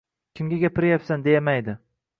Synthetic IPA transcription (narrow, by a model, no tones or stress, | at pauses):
kʲʰɪmɡʲaɡʲapɪɾjapsand̪e̞jamajd̪ɪ